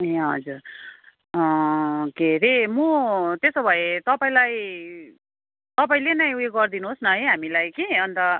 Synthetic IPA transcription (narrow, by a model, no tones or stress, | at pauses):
eɦʌ̰d͡zur | ʌkeɾemut̪esobʱʌet̪ʌpaĩlaj | t̪ʌpaĩlenʌjueɡʌrd̪inuɦosnʌɦʌjɦamilajkiʌnt̪ʌ